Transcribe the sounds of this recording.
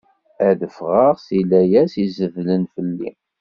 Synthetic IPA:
æðəfʁəʁsilæjæsizəvlənfəlːḭ

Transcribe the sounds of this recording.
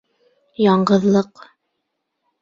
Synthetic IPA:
jɑɴɢɤ̆ðlˠɤq

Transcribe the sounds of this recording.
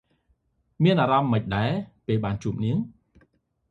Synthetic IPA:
miənʔaːɾɑmːəc̚ɗaɛpeːlɓaːnt͡ɕuːp̚niəŋ

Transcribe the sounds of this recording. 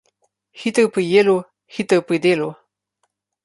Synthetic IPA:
hit̪əpəjelo | hit̪əpid̪elo

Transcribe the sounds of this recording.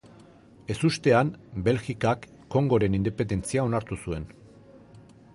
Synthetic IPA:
e̞sust̪e̞ambe̞lɣikakːo̞ŋɡo̞ɾe̞nind̪epend̪e̞nt͡siao̞naɾt̪usue̞n

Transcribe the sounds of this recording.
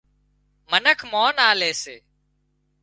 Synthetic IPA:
mənəkʰmoːnaːleːseː

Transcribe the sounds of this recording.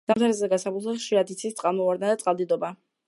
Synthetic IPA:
d̪̥amt̪ʰaɾɛzɛɡasaput̪aχʃiɾad̪it̪sʰit̪t̪sʼqʼalˠmɔvaɾd̪nad̪at̪sʼqʼalˠd̪id̪ɔba

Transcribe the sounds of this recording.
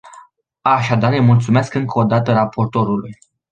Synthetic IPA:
aʃad̪arəjmult̪sumeskɨŋkəod̪at̪əɾapo̞rt̪o̞ɾuluj

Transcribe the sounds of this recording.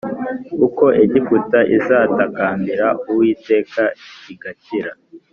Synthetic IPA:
kuko̞ʔeɟikutaʔizaːtakaːmbiɾauwiːte̞ːkaiɡaciɾa

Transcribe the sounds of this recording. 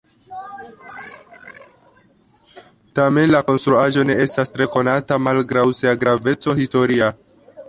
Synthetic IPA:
tame̞nlako̞nstɾuaʒo̞ne̞e̞stastɾe̞ko̞natamalɡɾawseaɡɾave̞t͡so̞histo̞ɾia

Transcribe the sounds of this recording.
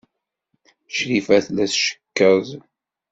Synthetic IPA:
ʃɾifæθlæθʃə̥kːəð

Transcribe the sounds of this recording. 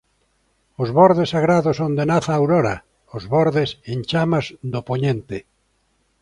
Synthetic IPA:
ozβoɾðesaɣɾaðosond̪enaθaːwɾoɾa | ozβɔɾðesẽnt͡ʃamazd̪opoɲẽnt̪e

